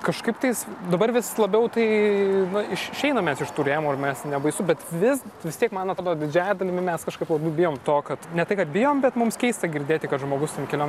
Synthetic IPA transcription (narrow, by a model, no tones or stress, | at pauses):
kɐʃkɐɪpt̪ɐɪsd̪ɐbɐɾʋʲɪslˠɐbʲɛʊt̪ɐɪnʊɪʃɪʃʲɛɪnɐmʲɛsɪʃt̪uːɾʲeːjmuɪɾmʲɛsnʲɛbɐɪsʊbʲɛt̪ʋʲɪsʋʲɪst̪ʲiɛkmɑːnɐt̪ɾoːd̪od̪ʲɪd͡ʒʲæːjɛd̪ɐlʲɪmʲɪmʲɛskɐʃkɐɪplˠɐbʲɐʊbʲɪjoːmt̪oːkɐt̪nʲɛt̪ɐɪkɐt̪̚bʲɪjoːmbʲɛt̪mʊmskʲɛɪst̪ɐɡʲɪɾʲd̪ʲeːt̪ʲɪkɐt̪ʒmoːɡʊst̪ʲɛnkʲɛlʲoːm